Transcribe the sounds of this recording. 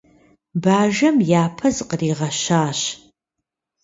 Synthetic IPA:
baːʒɐmjaːpʰɐzqəriːʁɐʃaːɕ

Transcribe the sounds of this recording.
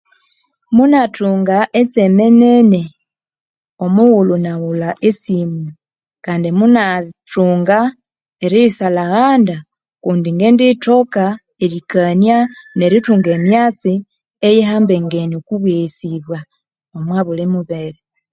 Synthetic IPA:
munatuːŋɡaʔet͡semenene | omuɣulunaɣulaʔesime | kaːndimunatuːŋɡa | eɾisalaɣaːnda | kuːndiŋɡenditoka | eɾikanjaneɾituːŋɡemjat͡si | ejeɦaːmbeŋɡeniokuβesiβwa | omwaβulemuβeɾe

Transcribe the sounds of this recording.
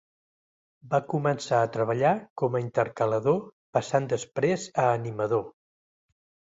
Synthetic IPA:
bakumənsaət̪ɾəβ̞əʎakɔməint̪əɾkələðopəsand̪əspɾezəːniməðo

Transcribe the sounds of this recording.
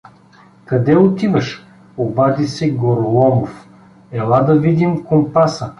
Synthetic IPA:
kɐd̪ɛʊt̪ivɐʃ | obad̪isɛɡoɾolˠɔmof | ɛlˠad̪ɐvid̪imkompasə

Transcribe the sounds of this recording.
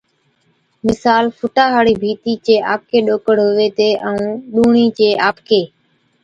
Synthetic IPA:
mɪsaːlfʰʊʈaːɦaːɽiːbʱiːt̪iːt͡ʃeːʔaːp̚kʰeːɗoːkəɽ̤ɦoːʋeːt̪eːʔə̃ũːɗuːɳiːt͡ʃeːʔaːpkʰeː

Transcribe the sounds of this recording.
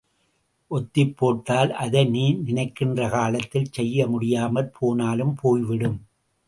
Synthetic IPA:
ʔɔt̪ːɪpːoːʈːaːlʔɐðɐɪniːɾnɪnɐɪkːɪndrɐkaːlɐt̪ːɪlt͡ʃɛjːɐmʊɽɪjaːmɐlpʰoːnaːlɯmpʰoːjʋɪɽɯm

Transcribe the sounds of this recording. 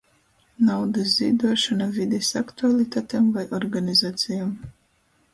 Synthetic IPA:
nawd̪azzḭːd̪uɔʃanavid̪ɛsakt̪ualˠit̪aːt̪emvajʔɔɾɡanizaːt̪sʲijam

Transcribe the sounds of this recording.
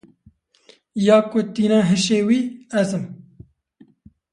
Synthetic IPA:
jɑːkot̪iːnɑːɦɨʃeːwiːɛzɨm

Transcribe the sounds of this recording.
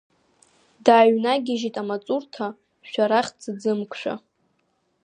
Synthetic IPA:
daːɥnaɡʲɪʒitʼamat͡sʼurtʰa | ʃᶣaɾaχʲd͡zɨd͡zɨmkʷʰʼʂʷᶣa̰

